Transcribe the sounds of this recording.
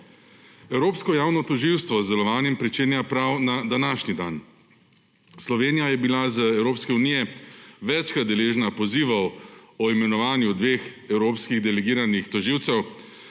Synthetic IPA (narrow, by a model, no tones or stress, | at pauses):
ɛwɾoːpskɔjaːwnɔt̪ɔʒiwst̪ʋɔzd̪ɛlɔʋaːnjɛmpɾit͡ʃeːnjapɾawnad̪anaːʃnid̪an | slɔʋeːnijajɛbilazəɛwɾoːpskɛunijɛʋɛt͡ʃkat̪d̪ɛleːʒnapɔziːʋɐwɔimɛnɔʋaːnjud̪ʋexɛwɾoːpskiɣd̪ɛlɛɡiːɾanixt̪ɔʒiːwt̪sɛw